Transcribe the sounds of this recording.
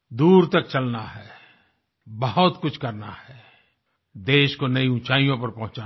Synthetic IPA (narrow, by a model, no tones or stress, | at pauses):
d̪uːɾt̪ɐk̚t͡ʃɐlnaɦɛː | bɐɦʊt̪kʊt͡ʃʰkɐɾnahɛː | d̪eːʃkonɐiʊ̃t͡ʃaːijõpɐɾpɐɦʊ̃t͡ʃaː